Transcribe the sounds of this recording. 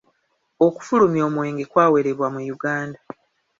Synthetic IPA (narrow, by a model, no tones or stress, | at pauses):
o̞ku̥fulumjo̞ːmwe̞ːŋɡekwaːwe̞ɾe̞βwamujuɡaːnda